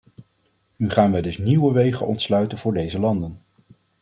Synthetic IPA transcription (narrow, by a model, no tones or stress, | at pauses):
nyχaːnʋɛjdɵsniwəʋejχə̰nɔ̰ntslœɥtənvʊːɹdejzəlɑndən